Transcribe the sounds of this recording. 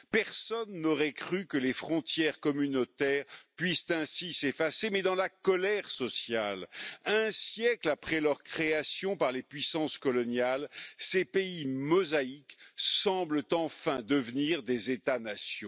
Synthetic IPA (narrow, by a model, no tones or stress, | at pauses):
pɛʁsɔnːɔʁɛkχykəlefχɔ̃t̪jɛʁkɔmynot̪ɛʁpɥist̪ɛ̃sisefasemɛd̪ɑ̃lakɔlɛʁsɔsjalɛ̃sjɛklapχɛlœʁkχeasjɔ̃paʁlepɥisɑ̃skɔlɔnjalsepeimɔzaiksɑ̃blət̪ɑ̃fɛ̃d̪əvniʁd̪ezet̪anasjɔ̃